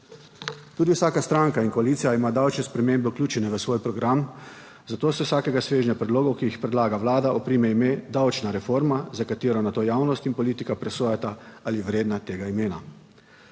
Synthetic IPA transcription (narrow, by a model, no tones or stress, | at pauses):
t̪uːd̪iwsaːkast̪ɾaŋkainkɔaliːt̪sijaimaːd̪awt͡ʃnɛspɾɛmembɛuwklʲjuːt͡ʃɛnɛʋəsʋoːjpɾɔɡɾam | zat̪oːsɛwsaːkɛɡasʋeːʒɲjapɾɛd̪loːɡowkijixpɾɛd̪laːɡaʋlaːd̪aʔɔpɾiːmɛimed̪awt͡ʃnaɾɛfoɾmazakat̪eːɾɔnat̪ojaːwnɔst̪inpɔliːt̪ikapɾɛsoːjat̪aaliʋɾeːd̪nat̪eːɡaimeːna